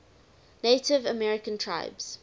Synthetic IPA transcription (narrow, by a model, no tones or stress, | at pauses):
neɪtɪvəmɛɹɪkə̃ntʰɹa̰ɪbz̥